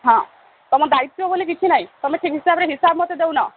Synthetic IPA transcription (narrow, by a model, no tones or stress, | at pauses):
ɦɔ̃ | t̪ɔmɔ̃d̪ait̪ːɔbolik̬it͡ʃʰinaɦĩt̪ɔmeʈʰikɦisabɾeɦisabmɔt̪ed̪ewnɔ